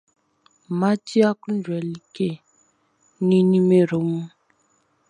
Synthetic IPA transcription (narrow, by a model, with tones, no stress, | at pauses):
ma˦t͡ʃi˦a˦ku˦ndwɛ˨li˦ke˦˨ | ni˦ni˦me˨ɾo˨˦mu˦